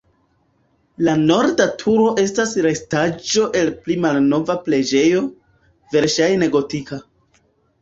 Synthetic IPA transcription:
lano̞ɾdatʰuɾo̞ʔe̞stasɾestad͡ʒo̞ʔe̞lplimalno̞vaple̞d͡ʒe̞jo | ve̞ɾʃajne̞ɡo̞tika

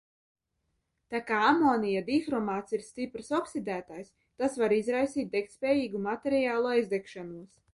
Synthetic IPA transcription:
t̪akaːamoːnijad̪ixɾɔmaːt̪siɾst̪ipɾsɔksid̪æːt̪ajs | t̪asvaɾizɾajsiːt̪̚d̪ɛkt̪spʲɛːjiːɡumat̪eɾijaːlˠuajzd̪ɛkʃanuɔs

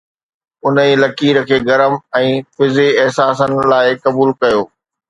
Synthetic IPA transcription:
ʊnəilɐkiːɾ̆kʰeːɡɐɾəmɛ̃ːfɪzeɛɦsaːsənɪ̆laːɪkɐbuːlkɐjoː

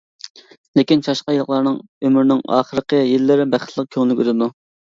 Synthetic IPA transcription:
lekʲint͡ʃʰɑʃqɑjɨlˠəχlˠɑɾnɨŋ | ømyɾnɪŋɑ̰ːχəɾəqʰəjilːɪɾɪbæχə̥t̪lˠəq̚kʲʰøŋlɪkʲyt̪ɪd̪u

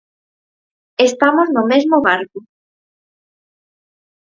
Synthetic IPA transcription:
est̪amoznʊmezmoβaɾkʊ

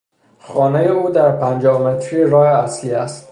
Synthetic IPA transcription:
xɒːnejeuːd̪æɾpʰænd͡ʒɒːhmet̪ʰɾieɾɒːheæsliːæst̪

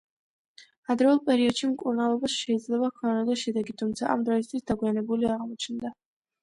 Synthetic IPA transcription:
ad̪ɾɛulˠpʼɛɾiɔd̪ʃimkʼuɾnalˠɔbasʃɛid̪zlɛbakʰɔnad̪aʃɛd̪ɛɡit̪ʰumt̪sʰaʔamd̪ɾɔis̬t̪ʰwisd̪aɡwianɛbuliaʁmɔt͡ʃʰnd̪a

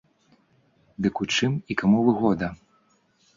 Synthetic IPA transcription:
d̪ɨkut͡ʂɨmikamuvɨɣɔd̪ɐ

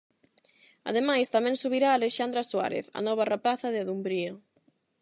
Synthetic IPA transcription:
ɐ̰ðemajst̪amɛ̃ŋsuβiɾaːleʃand̪ɾaswa̰ɾḛθɐ̰nɔβ̞arapaθɐðɪaðumbɾio

